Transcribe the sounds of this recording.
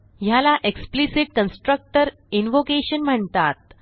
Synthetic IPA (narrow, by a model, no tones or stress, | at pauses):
jalaʔeksplisiʈ̚kənsʈɾək̚ʈəɾ | inʋokeɕənm̤əɳt̪at̪̚